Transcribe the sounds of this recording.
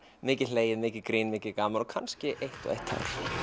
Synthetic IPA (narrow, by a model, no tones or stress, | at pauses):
mɪːcɪleːjɪðmɪːcɪðkɾiːnmɪːcɪðkaːmaɾɔkʰanscɪʔejht̪ɔ̰ḛjht̪ʰha̰ɾ̥